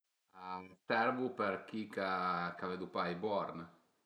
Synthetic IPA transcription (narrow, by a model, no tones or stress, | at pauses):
asɛɾvupeɾk̟ikakavɛd̪upajbɔɾn